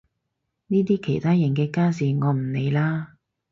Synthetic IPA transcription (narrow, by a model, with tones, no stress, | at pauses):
niː˥t̪̬iː˥kʰe˨˩jt̪ʰaː˥jɐ˨˩nkɛː˧kaː˥s̬iː˨˩ŋɔː˨˧m̩˨˩ne˨˧jlaː˥